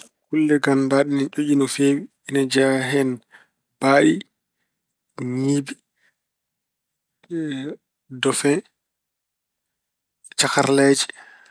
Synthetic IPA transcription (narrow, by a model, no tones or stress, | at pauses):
kulːɛɡandaɗinat͡ʃoʔinɔfeːwiːnad͡ʒaɦɛn | b̥aːʔi | ɲiːbi | dɔfɛ | t͡ʃakaɾlɛd͡ʒi̥